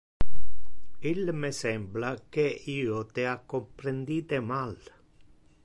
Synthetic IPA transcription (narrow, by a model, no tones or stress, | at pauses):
ilmesɛmblakeiːot̪eakːompɾend̪iːt̪emal